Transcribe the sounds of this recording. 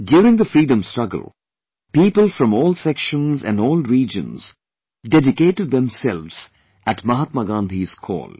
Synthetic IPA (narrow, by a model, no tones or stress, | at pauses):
ɖjuːɾɪ̃ŋd̪əfɾiːɖə̃mstɹʌɡə̰lˠ | piːpəlˠfɾʌ̃mɔːlˠsɛkʃə̃nzæ̰̃nɖɔːlɾiːd͡ʒə̰̃nz̥ | ɖɛɖɪkeːʈɨɖ̚d̪ɛ̃msɛlʋz̥ | ʔæʈmʌɦət̪məɡãːnd̪ʱiz̥kʰɔ̰ːl